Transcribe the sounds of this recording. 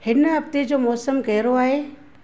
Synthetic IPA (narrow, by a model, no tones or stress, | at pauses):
hɪnɦɐbt̪ed͡ʑoːmɔːsəmkɐɦɪɾoaːɦeː